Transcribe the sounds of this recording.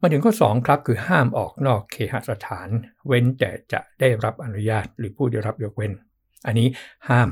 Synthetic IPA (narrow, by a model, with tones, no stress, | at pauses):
ma˧˥t̪ʰɯ˩˦ŋtʰɔ˥˩sɔː˩˦ŋkʰɾa˦˥p̚kʰɯː˧haː˥˩mʔɔ̰ː˨˩k̚nɔː˥˩kʰːeː˧˩ha̰˨˩ʔ̚sa˧t̪ʰaː˩˦nwe˦˥nt̪ɛ̰ː˨˩t͡ɕa̰˨˩ʔda˥˩jɾa˦˥p̚ʔa˧nu˦˥jaː˥˩t̪̚ɾɯː˩˦pʰuː˥˩da˥˩jɾa˦˥p̚joː˦˥k̚we˦˥n | ʔa˧nːiː˦˥haː˥˩m